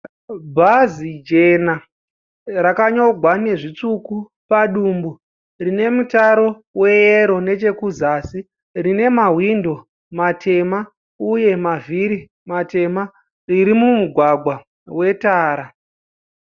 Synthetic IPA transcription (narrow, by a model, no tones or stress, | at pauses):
bʱazid͡ʒe̞na | rakaɲoɡʱwane̞ʐit͡suku | paɗuːmbu | rine̞mutaɾo̞ | we̞jeɾo̞ne̞t͡ʃe̞kuzaːsi | rine̞maɦwindo̞ | matʰe̞ma | uje̞maviɾi | mate̞ma | riɾimumuɡʱwaɡʱwa | we̞taːɾa